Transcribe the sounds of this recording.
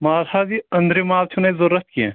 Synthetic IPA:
maːzʰaːziɐ̃nd̪ɾimaːlt͡ʃʰunezɐɾːɐt̪̚kiḛ̃ː

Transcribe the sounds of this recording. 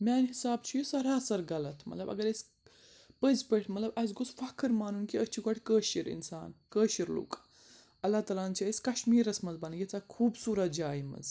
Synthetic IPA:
mʲaːnɦisaːbt͡ʃʰijusɐɾaːsɐɾɡɐlɐt̪ʰmɐ̰t̪lɐbɐ̰ɡɐɾɐsʲ | pəzpeʈʰmɐt̪lɐbɐsɡusfɐkʰɨɾmaːnunkiɐt͡ʃʰiɡɐʈʰkəːʃiɾḭnsa̰ːnkəːʃiɾlṵːkʼː | ɐlːaːt̪aːlaːnt͡ʃʰaisʲkɐʃmiːɾɐsmɐzbɐnɐjet͡sakʰuːbsuːɾɐt̪̚d͡ʒaːimɐ̰z

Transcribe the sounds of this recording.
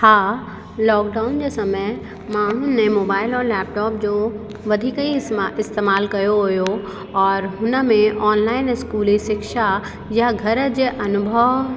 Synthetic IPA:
haː | lɔːkɖaːʊnd͡ʑeːsɐmə | mãːɦʊnẽmoːbaːɪlɔːɾlɛːp̚ʈɔːp̚d͡ʑoː | ʋɐd̪ʱikəiɪst̪eːmaːlkɐjoɦʊjo | ɔːɾɦʊnə̆mẽʔɔːnlaːɪnɪskuːliʃɪkʃa | jaɡʱɐɾd͡ʑeːʔɐnʊbʱəʋ

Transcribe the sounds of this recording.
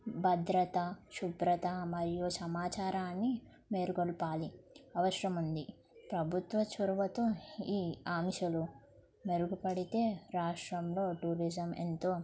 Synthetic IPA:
bɐd̪ɾɐt̪ɐʃubɾɐt̪ɐmɐɾijusɐmaːt͡ʃaːɾaːnːi | meːɾuɡɔɭpaːliɐʋɐʃɾɐmund̪i | pɾɐbʱut̪ʋɐt͡ʃuɾʋɐt̪uiːaːmʃɐlu | meɾuɡupɐɽit̪e̞ːɾaːʂʈɾɐmloːʈuːɾid͡ʒɐmḛnt̪oː

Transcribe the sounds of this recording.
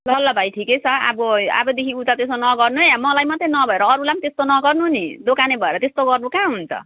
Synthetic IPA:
lʌlːʌbʱajʈʰiket͡sʰʌa̰bʌa̰bʌd̪ekʰiut̪at̪esonʌɡʌrnuamʌlajmʌt̪renʌbʱʌeɾʌːɾulamt̪est̪onʌɡʌrnuɦnid̪okanebʱʌeɾʌt̪est̪oɡʌrnukãɦunt͡sʰʌ̰

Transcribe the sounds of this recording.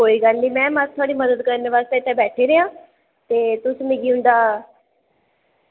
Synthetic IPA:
oːiːɡəlːiːmɛ̃ːmət̪t̪ʰːʊaːɽiːməd̪əd̪kəɾneʋaːst̪eːɪt̪ːɛ̃bɛːʈʰeːɾeãː | t̪eːt̪ʊsmɪɡiːɦʊ̃nd̪aː

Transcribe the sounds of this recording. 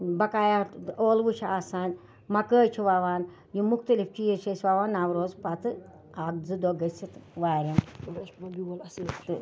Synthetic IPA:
bɐkaːjaoːlʋut͡ʃʰaːsaːnʲ | mɐkəːjt͡ʃʰiʋaːʋaːn | jimuxt̪ɐlift͡ʃijiɾt͡ʃʰesʲʋaːʋaːnawɾoːzpɐt̪ɨ | aːɡ̚d͡zɨd̪oːɡɐsit̪ʋaːɾʲimbilt̪ɨ

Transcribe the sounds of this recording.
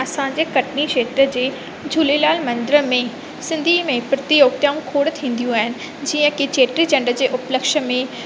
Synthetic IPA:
ɐsãd͡ʑeːkɐʈniʃeːt̪ɾəd͡ʑeː | d͡ʑʱulelaːlmɐ̃nd̪ɪɾəmẽ | sɪ̃nd̪ʱimẽpɾɐt̪ijoːɡ̚t̪jaːũkʰoːɽt̪ʰĩːn̆d̪ijũaːɦɪnɪ̆ | d͡ʑiːə̃kit͡ɕeːʈɾid͡ʑɐ̃ɳɖəd͡ʑeːʔʊpləkʃəmẽ

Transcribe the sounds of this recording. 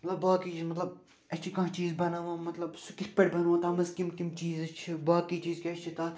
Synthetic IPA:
mɐt̪lɐbːaːkit͡ʃiːzmɐt̪lɐb̚ | ɐt͡ʃʰikɐ̃ɦt͡ʃiːzbɐnaːʋãːmɐt̪lɐbsukɪpɐɽbɐnːãːt̪ʰaːmɐzkimkimt͡ʃiːzɐt͡ʃʰibaːkiːt͡ʃiːzkʲɐt͡ʃʰit̪ʰaː

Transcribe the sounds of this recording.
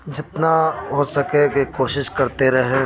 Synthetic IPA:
d͡ʒɪt̪naɦoːsɐkekikoːʃɪʃkɐɾt̪eɾɐɦẽ

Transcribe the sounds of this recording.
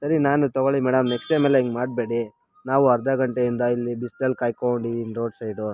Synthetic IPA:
sɐɾinaːnut̪ɔɡoɭimɛːɽɐmːeksʈemeːleiŋɡmaːɖbe̞ːɽi | naːʋuɐɾd̪ɐɡɐɳʈeind̪ɐilːibisʈelkaːjkoɳɖinɾoːɖsɐjɖu

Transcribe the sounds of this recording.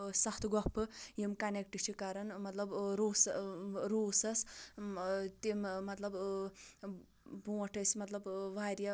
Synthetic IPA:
sɐxt̪ʰɡɔpɨjimkɐnek̚ʈɨt͡ʃʰikɐɾɐnmɐt̪lɐbɾoːsɾoːsɐs | t̪immɐt̪lɐb | bũːɐʈʰɐsmɐt̪lɐbʋaːɾjɐ

